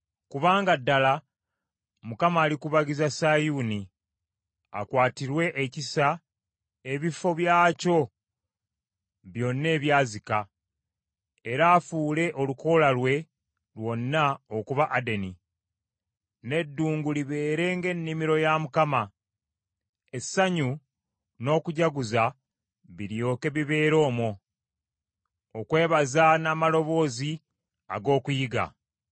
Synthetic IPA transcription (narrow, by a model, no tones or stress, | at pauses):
kuβaːŋɡadːala | mukamaːlikuβaɡizasajuni | a̰kwaːtiɾwe̞ʔecisa | e̞βifo̞βjaːco̞ | βjo̞nːe̞ːβjaːzika | e̞ɾaːfuːle̞ʔo̞luko̞lalwe̞ | lwo̞nːaokuβaʔade̞ni | ne̞dːuːŋɡuliβe̞ːɾe̞ːŋɡe̞nːimiɾo̞jamukama | esːaɲu | no̞ːkuɟaɡuza | βiɾjo̞ːke̞βiβe̞ːɾo̞ːmo | okwe̞ːβazanaːmalo̞βo̞ːzi | a̰ɡo̞ːkujiɡa̰